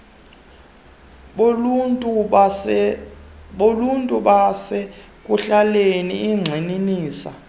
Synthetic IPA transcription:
oluntʼuɓasɛ | kʼuɬaleniːŋ͡ǀʱeniniːsa

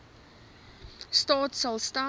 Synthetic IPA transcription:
stɑːtsɐlˠsta

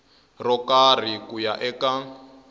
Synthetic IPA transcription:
rɔkar̤ikujaʔɛka

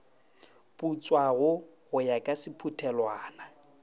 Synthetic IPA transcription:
pʼut͡sʼwaɣʊɣʊjakʼasɪpʰutʰɛlwaːna

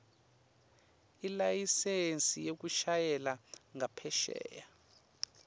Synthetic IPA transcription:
ilajisensʼijok̬uʃajɛlaŋapʰɛʃɛ̰ːja

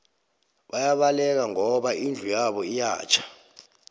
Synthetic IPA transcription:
ɓajaɓalɛk̬aŋɔɓaʔind͡ɮʱujaɓɔija̰ːt͡ʃʰḁ

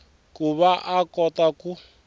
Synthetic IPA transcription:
kuβaʔakɔtaku

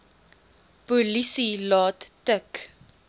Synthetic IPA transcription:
pulisilɑːttək

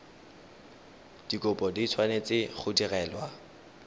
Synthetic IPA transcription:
d̥ikʼʊpʼɔdit͡sʰwanet͡sɪχʊdirɛːlwa

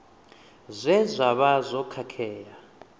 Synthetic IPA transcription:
zʷɛzʷaɓazɔkʰakʰɛːja

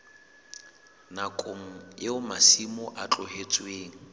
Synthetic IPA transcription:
nakʼoŋ̩jeʊmasimʊʔat͡ɬʼʊhet͡sʼweːŋ̩

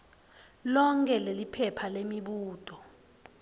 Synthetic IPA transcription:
lɔŋkʼɛlelipʰɛpʰalemiɓuːtʼɔ

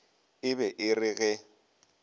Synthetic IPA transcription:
ɪbɛʔɪrɪɣɛ

